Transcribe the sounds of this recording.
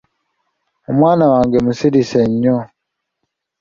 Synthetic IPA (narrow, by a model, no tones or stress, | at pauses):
umwaːnawaːŋɡɛmusiɾisɛɲɔ